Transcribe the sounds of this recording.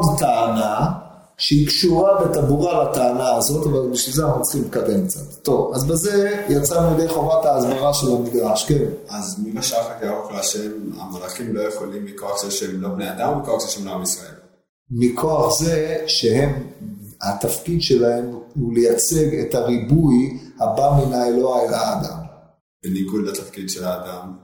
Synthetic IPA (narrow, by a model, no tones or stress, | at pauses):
odtaana | ʃeikʃuʁabet̪abuʁalataːnaːzo̞tavalbiʃvilzeanuut͡sχimltkatenk̚t͡satːo̞vazbeze̞jat͡sanjd̪ejχo̞vataːzbaʁaʃe̞lamiɡʁaʃkenazmibaʃaχakaaoklaʃeema̰melaχimlo̞jeχolimːiko̞aχzeʃeemlo̞bnead̪ammikoaχzeʃeemloamisʁae̞̰l | mikʰo̞aχzeʃe̞he̞mhat̪afkidʃe̞lahe̞mulejat͡se̞ɡetaʁibujhabaminaeloalaːd̪am | b̥eniɡud̪lat̪afkid̪ʃelaːd̪am